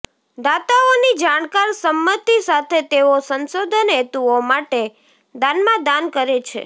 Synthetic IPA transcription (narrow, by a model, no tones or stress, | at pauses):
d̪at̪aonid͡ʒaɽ̃kaɾsəmːət̪isat̪ʰet̪eosənsod̪ʱənet̪uomaʈe | d̪anmãd̪ankəɾet͡ʃʰḛ